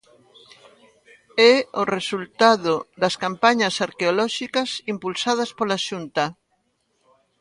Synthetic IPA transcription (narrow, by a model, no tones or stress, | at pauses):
ɛoresult̪aðod̪ɐskampaɲasaɾkeolɔʃikasimpulsað̞ɐspolaʃunt̪a